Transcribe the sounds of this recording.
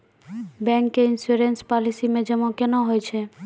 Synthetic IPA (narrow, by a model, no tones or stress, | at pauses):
bɛ̃ŋkːeinsuɾenspɔlisimẽd͡ʒɛmõkenoɦojt͡ʃʰe